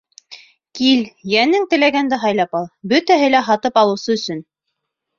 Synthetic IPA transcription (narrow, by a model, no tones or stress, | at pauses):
kiljænɘŋt̪ɘ̆læɡænd̪æɦɑjlˠɑpɑlˠbɵt̪æɦɘlæɦɑt̪ɤpɑlˠɤ̆wsɤɵ̆sɵn